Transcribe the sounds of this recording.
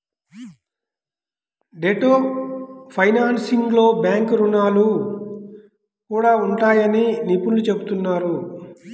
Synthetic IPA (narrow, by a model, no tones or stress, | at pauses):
ɖeʈoː | pʰɐjnaːnsiŋɡlo̞ːbjaːŋkuɾunaːlu | kuːɽaːuɳʈaːjɐninipulːut͡ʃe̞but̪unːaːɾu